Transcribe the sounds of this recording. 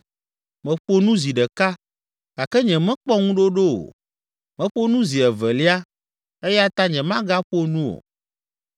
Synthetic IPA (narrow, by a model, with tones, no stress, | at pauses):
mɛ̃˨ɸo˦nũ˦zi˨ɖɛ˨ka˦ | ka˨kɛ˦ɲɛ̃˨mɛ̃˦k͡pɔ˦ŋũ˦ɖo˦ɖo˦o̰˨ | mɛ̃˨ɸo˦nũ˦zi˨ɛ˨vɛ˨li˦a˦ | e˦ja˦t̪a˦ɲɛ̃˨mã˦ɡa˦ɸo˦nũ˦o̰˨